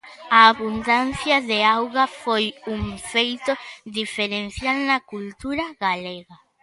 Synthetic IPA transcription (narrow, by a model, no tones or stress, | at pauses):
aːβund̪an̟θjɐðeawɣɐfojuŋfejt̪od̪ifeɾen̟θjalnɐkult̪uɾɐɣaleɣa